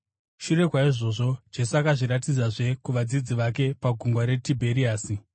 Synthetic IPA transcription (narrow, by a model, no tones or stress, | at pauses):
ʃuɾe̞kwaiʐo̞ʐo̞d͡ʒe̞suakaʐiɾat̬id͡zaʐe̞kuʋad͡zid͡ziʋake̞paɡʱuŋɡwaɾe̞tibʱe̞ɾiaːsi